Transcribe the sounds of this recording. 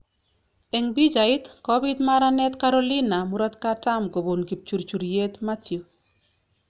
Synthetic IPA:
e˨ŋbi˦d͡ʒa˨ɪ˦t̪kɔbit̪maɾanɛ˦t̪ka˦ɾoli˦na˨mu˦ɾa˦t̪kata˦mɡo˨bo˨nɡi˨p̚t͡ʃu˨ɾt͡ʃu˨ɾje˦t̪ma˦t̪jo˨

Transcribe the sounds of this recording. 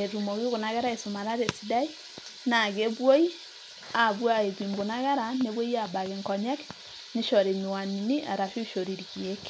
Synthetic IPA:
e˨ɾu˨mo˨ɣi˦ɣo˨na˦ɣɛ˦ɾa˦e˨su˨ma˨ɾa˦ɾe˨si˨da˦i˦ | na˨ɣe˦βwo˦i˦ | a˨βwa˨e˨βi˨mɡo˨na˦ɣɛ˦ɾa˨ne˨βwɔ˦i˦a˨ba˨ɣe˨ŋkɔ˨ɲɛ˦k | ni˦ʃɔ˨ɾe˨ni˨wa˨ni˨ni˦ʔa̰˨ɾa˨ʃu˦ʃo˨ɾi˨ɾɣi˨e˦k

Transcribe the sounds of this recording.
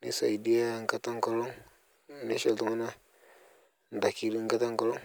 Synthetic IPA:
ni˦sa̰˨i˨di˦a˦ŋ̩˨ka˨ta˦ŋ˦kɔ˨lɔ˦ŋ | ni˦ʃɔ˨ltu˨ŋa˦na˦ | n˨da˨ki˨li˦ŋ˦ka˦ta˦ŋkɔ˨lɔ˦ŋ

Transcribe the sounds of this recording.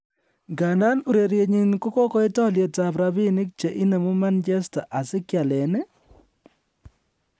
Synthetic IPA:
ŋɡa˨nda˦nu˨ɾe˨ɾje˨ɲi˦nku˦ko˦kɔ˦i˦tɔ˦lje˨ta˨pɾa˨bi˦ni˦k̚t͡ʃe˨ʔi˦ne˨mu˦ma˦nd͡ʒɛ˦sta˨ʔa˨sɪ˦kja˨lɛ˨nɛ˦

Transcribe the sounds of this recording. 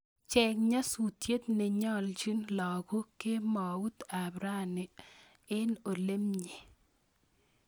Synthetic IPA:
t͡ʃɛ˨kɲa˦su˨tje˦t̪̚ne˨ɲɔ˦lt͡ʃi˦nlɔ˨ɡo˦ke˦mɔ˨u˦t̪a˨bɾa˦˨nɪ˨ | ɪ˦no˨le˦mɲi˨

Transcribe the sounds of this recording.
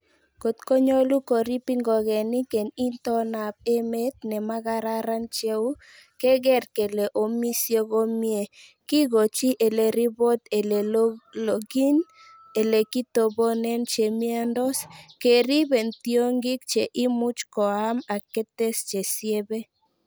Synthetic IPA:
ko˨t̪ko˦ɲo˦lu˦ko˨ɾi˦pi˦ŋɡɔ˨ɣɛ˨ni˦ke˨ni˦nt̪ɔ˦na˨p̚e˦me˦t̪̚nɛ˨ma˦ɡa˦ɾa˦ɾa˦nt͡ʃe˦u˦ | kɛ˦ɡɛ˦ɾke˨le˨ʔo˨mi˦sje˦ɡo˦mje˦˨ | ki˦ɡo˨t͡ʃi˦ʔe˨le˨ɾi˦bo˦t̪e˨le˨lo˨ɡi˦n | e˨le˨ki˦t̪o˨bo˦nɛ˦nt͡ʃe˨mi˦a˦ndɔ˦ske˨ɾi˦be˨nt̪io˦ŋɡɪ˦k̚t͡ʃe˨ʔi˦mʊ˦t͡ʃkɔ˨a˦ma˨ke˦t̪e˦st͡ʃe˨sje˦be˦

